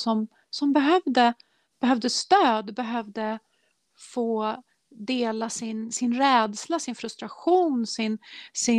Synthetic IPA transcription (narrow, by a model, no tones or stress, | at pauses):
sɔm | sɔmbɛɦœvd̪ə | b̥ɛɦœvd̪əst̪øːd̪bɛɦœvd̪ə | foː | d̪eːlasɪnsɪnɾɛːd̪slasɪnfɾɵst̪ɾaɧuːnsɪnsɪ